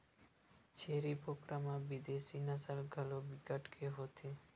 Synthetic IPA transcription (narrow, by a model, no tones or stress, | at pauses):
t͡ɕʰeɾipokɾamabid̪eʃinasalɡʱalobikaʈkʰeɦot̪ʰe